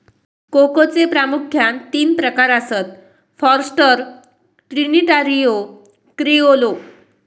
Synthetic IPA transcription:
kokot͡sepɾamukʰːjant̪iːnpɾəkaɾəsət̪̚ | fɔɾsʈəɾ | ʈɾiniʈaɾijo | kɾiolo

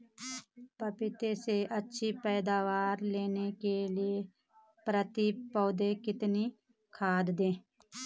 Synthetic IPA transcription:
pəpɪt̪eseʔətːʃʰipɛːd̪aːʋaːɾleːnekelɪe | pɾət̪ipɔːd̪ekɪt̪ni | kʰaːd̪d̪ẽː

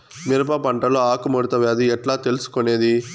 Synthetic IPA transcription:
miɾɐp̬ɐpɐɳʈɐloːaːkumɐɽut̪ɐʋaːd̪iɛʈlaːt̪elusu̥kone̞ːd̪i

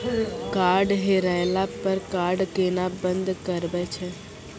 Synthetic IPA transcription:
kaːɾɖɦeɾajlapəɾkaːɾɖkeːnabə̃nd̪kəɾbɛt͡ʃʰɛ

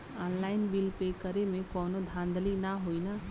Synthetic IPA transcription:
aːnlaːɪnbilpekəɾemẽkɔːnod̪ʱãnd̪əlinaɦoina

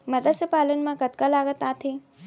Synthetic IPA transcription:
mɐd̪əsəpaːlənmãkət̪kalaːɡət̪at̪ʰi

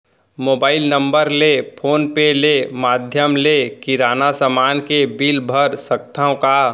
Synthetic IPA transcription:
moːbaːɪlnə̃mbəɾlepʰoːnpelemaːd̪ʱjəmlekiɾaːnasəmaːnkebiːlbʱəɾsək̚t̪ʰãõka

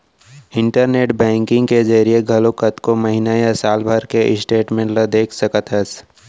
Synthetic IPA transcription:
ɪ̃ɳʈəɾneːʈbɛ̃ːŋkɪ̃ŋɡked͡ʒɐɾieɡʱɐlokət̪komɐɦinajasaːlbʱəɾkeʔɪsʈeːʈmẽːɳʈlad̪eːkʰsɐkət̪ɦəs

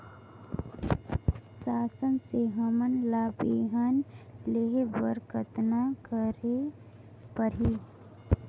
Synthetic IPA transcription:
saːsənseɦəmənlapeɦənleɦebəɾkət̪nakəɾe | pəɾiː

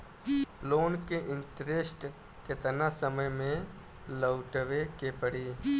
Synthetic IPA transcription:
loːnkeʔɪ̃nt̪ɾɪsʈ | kɪt̪ənasəməjmẽ | ləwʈəʋekepəɽiː

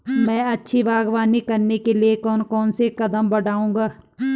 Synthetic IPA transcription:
mɛ̃ːɐtːʃʰiʋaːɡʋaːnikɐɾnekeliekɔːnkɔːnsekɐd̪əmbɐɽaːũːɡaː

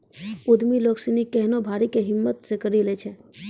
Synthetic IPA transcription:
ud̪miloksinikɛɦnobʱaːɾikeɦɪmːət̪sekəɾilet͡ʃʰɛ

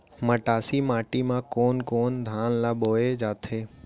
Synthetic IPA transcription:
məʈaːsimaːʈimãkoːnkoːnd̪ʱaːnlaboːed͡ʒaːt̪ʰeː

